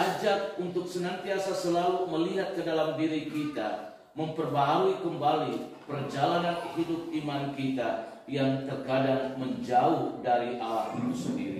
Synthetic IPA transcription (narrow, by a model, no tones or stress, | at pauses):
ad͡ʒat̪̚unt̪ʊksənant̪iasasəlaluməliɦat̪̚kədalamdiɾikit̪a | məmpərbaɦauikəmbalipərd͡ʒalananhidʊp̚imankit̪a | jaŋt̪ərkadaŋməɲd͡ʒauhdaɾiʔalahit̪usəndḭɾḭ